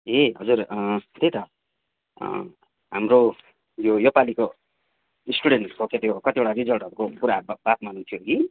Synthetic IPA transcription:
eɦʌd͡zurt̪et̪ʌ̰ | ɦamro | jojopaliko | isʈuɽeɳʈkoket̪jokʌt̪ieʈarid͡zʌlʈʌɾukokuɾabat̪manut̪ʰjoɡi

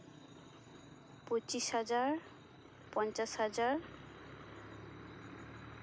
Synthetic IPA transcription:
pot͡ʃisazaɹ | pɔnt͡ʃashazaɹ

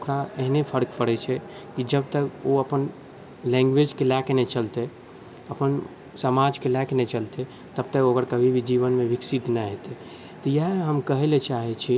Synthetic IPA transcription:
okɾaeɦnepʰəɾkpəɽɛt͡ʃʰɛ | kid͡ʒəb̚t̪əkoəpən | lɛ̃ŋɡʋed͡ʒkelɛkenɛt͡ʃəlt̪e | əpən | səmad͡ʒkelɛkenɛt͡ʃəlt̪e | t̪əb̚t̪əkoɡəɾkəbʱibʱid͡ʒiʋənmeʋiksit̪nɛɦet̪e | t̪ɔjaɦɦəmkəɦelet͡ʃaɦɛt͡ʃʰi

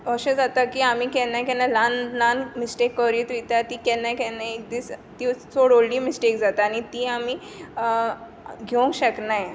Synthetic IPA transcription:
ʋəɕẽd͡zat̪akiamiːkɛnːãkɛnãlanlanmisʈekːəɾiːt̪ʋit̪at̪iːkɛnakɛnaek̚d̪iːst̪it͡soɽoɽliːmisʈekd͡zat̪aːnit̪iami | ɡʱeũŋkɕəknaj

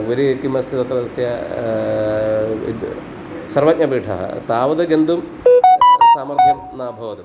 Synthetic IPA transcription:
ɡuɾikimɐst̪ʰit̪ɐt̪ɾɐd̪ɐsjɐ | sɐrʋɐt̚ʲɲɐbiːʈʰɐ̰ɦɐ̰t̪aːʋɐd̪ɐɡend̪um | saːmɐɾt̪ʰɐm | naːbʱɐʋɐd̪um

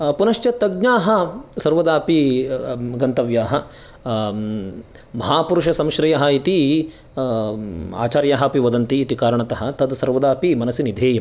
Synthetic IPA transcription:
punɐʃjɐt̪ɐɡ̚ɲaːɦɐsɐɾʋɐd̪aːpi | ɡɐnt̪ɐʋjaːɦɐ | mɐɦaːpuɾuʂɐsɐmʃɾɐjɐɦɐit̪i | a̰ːt͡ʃaːɾjaːɦɐpiʋɐd̪ɐnt̪iːt̪ikaːɾɐɳɐt̪ɐɦɐ̆t̪ɐd̪sɐɾʋɐd̪aːpimɐnɐsinid̪ʱeːjɐm

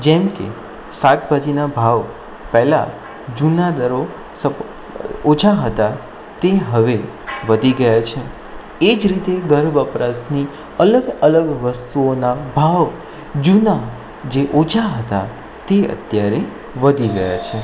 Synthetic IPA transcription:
d͡ʒɛmkḛ | sat̪bad͡ʒinabʱaʋ | pɛɦla̰ | d͡ʒunad̪əɾo | sə | ot͡ʃʰaɦət̪a | t̪eɦəʋe | ʋəd̪ʱiɡəjat͡ʃʰe | ed͡ʒɾit̪eɡəɾbəpɾasni | ələɡələɡʋəst̪uonabʱaʋ | d͡ʒuna | d͡ʒeʔot͡ʃʰaɦət̪a̰ | t̪eə̰t̪jaɾe | ʋəd̪ʱiɡəja̰t͡ʃʰe

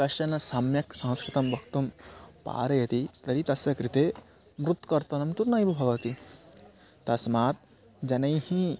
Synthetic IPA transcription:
kɐʃɐnɐsɐmjɐksɐ̃ɦskɾit̪ɐmbʱɐkt̪ɐmpa̰ːɾɐjɐt̪it̪ɐɾit̪ɐsɐkɾit̪eː | mɾut̪kɐɾt̪ɐnɐmt̪uɾnɐjbɐbʱɐʋɐt̪i | t̪ɐsmaːt̪̚ | d͡ʒɐnɐjhĩ

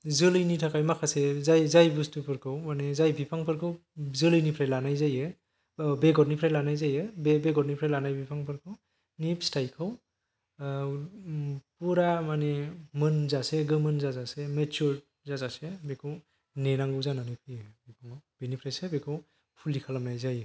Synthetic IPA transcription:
zɯlɯjnitʰakajmakʰasezajzajbustɯpʰɯɾkʰɯwmanezajbipʰaŋpʰɯɾkʰɯw | zɯlɯjnipʰɾajlanajzajɯ | beɡɔɾnipʰɾajlanajzajɯbebeɡɔɾ̚nipʰɾajlanajbipʰaŋpʰɯɾkʰɯw | nipstajkʰɯw | puɾamanemɯnzaseɡɯmɯnzazasemet͡ʃɔɾ | zazasebekʰɯw | nenaŋɡuzananipʰibipʰaŋawbinipʰɾajsebekʰɯw | pʰulikʰalamnajzajɯ

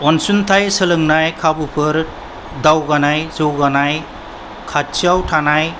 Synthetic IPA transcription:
ɔnsunt̪ʰajsəlɯŋnajkʰabupʰɯɾ | dawɡanajzɯwɡanaj | kʰat͡ʃiawtʰanaj

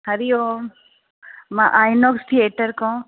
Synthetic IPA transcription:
hɐɾijo | mãʔaːjnoːkst̪ʰieːʈɐɾkõ

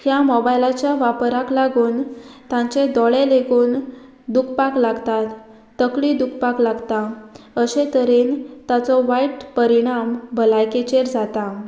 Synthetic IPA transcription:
hjamɔbajlat͡ɕjaʋapɾaklaɡuːnt̪ãɲt͡ɕed̪ɔɭeleɡuːn | d̪ukʰpaklaɡt̪at̪ː | əkɭid̪ukʰpaklaɡt̪a | əɕet̪əɾent̪at͡sɔʋaiʈpəɾiɽ̃ambəlajket͡ɕeɾd͡zat̪a

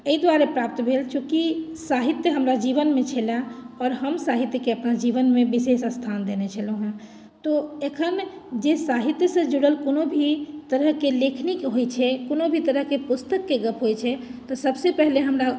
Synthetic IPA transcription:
eid̪waɾepɾap̚t̪bʱelt͡ʃʰukisaɦit̪jəɦəmɾad͡ʒiʋənmet͡ʃʰelaɔːɾɦəmsaɦit̪jəkeəpnad͡ʒiʋənmebisesəst̪ʰand̪enet͡ʃʰəloɦũ | t̪ɔekʰənd͡ʒesaɦit̪jəsə̃d͡ʒuɽəlkonobʱit̪əɾəɦkelekʰnikɦojt͡ʃʰɛkonobʱit̪əɾəɦkepust̪əkːeɡəpʰɦojt͡ʃʰɛt̪ɔsəbsepəɦleɦəmɾa

